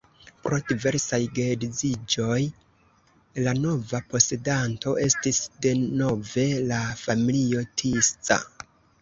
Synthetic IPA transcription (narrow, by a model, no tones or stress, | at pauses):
pɾo̞dive̞ɾsajɡedizid͡ʒo̞j | lano̞vapo̞se̞danto̞ʔe̞stisde̞no̞ve̞lafamilio̞tʰist͡sa̰